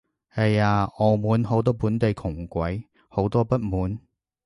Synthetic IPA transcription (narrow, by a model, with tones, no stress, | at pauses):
hɐ˨jaː˧ɔː˨muː˨˥nɦo˨˥wt̪̬ɔː˥puː˨˥nt̪e˨jkʰʊ˨˩ŋkʷɐ˨˥j | ho˨˥wt̪ɔː˥pɐ˥t̚muː˨˥n